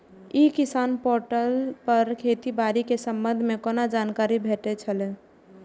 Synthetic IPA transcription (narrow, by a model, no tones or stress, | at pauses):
ikisaːnpoɾʈəlpəɾkʰet̪ibaɾikesəmbə̃nd̪ʱmekonad͡ʒankaɾibʱeʈet͡ʃʰəlɛ